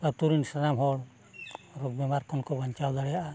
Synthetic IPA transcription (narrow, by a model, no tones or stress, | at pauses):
aɾt̪uɾinsanamɦɔɽ | ɾɔɡ̚bɛmaɾkʰɔnkɔbaɲt͡ʃawd̪ɔɽɛjaʔa